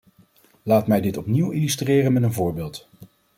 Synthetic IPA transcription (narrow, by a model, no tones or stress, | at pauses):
laːtmɛjdɪtɔpniwilystreːrənmɛtənvʊːɹbɪːlˠt